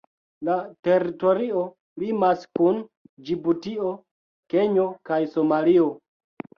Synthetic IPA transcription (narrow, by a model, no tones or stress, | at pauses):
late̞ɾito̞ɾio̞ | limaskund͡ʒibutio̞ | ke̞ɲo̞kajso̞malio̞